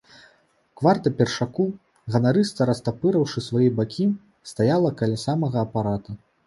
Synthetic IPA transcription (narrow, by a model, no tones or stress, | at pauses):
kvart̪ɐpʲɛrʂaku | ɣɐnaɾɨst̪ɐɾɐst̪apɨɾɐwʂɨsvajɛbakʲʰi | st̪ajalˠɐkɐlʲasamɐɣɐːpaɾat̪u